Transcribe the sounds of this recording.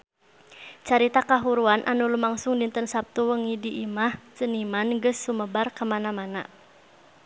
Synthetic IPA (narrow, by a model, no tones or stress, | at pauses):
t͡ʃaɾit̪akaɦuɾuanʔanulumaŋsʊŋdint̪ənsap̚t̪uwəŋidiʔimaht͡ʃənimanɡəsːuməbarkəmanamana̰